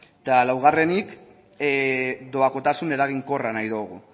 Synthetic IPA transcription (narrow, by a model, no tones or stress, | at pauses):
t̪alawɣ̞are̞nik | d̪o̞ako̞t̪asune̞ɾaɣ̞iŋko̞ranajðoɣ̞u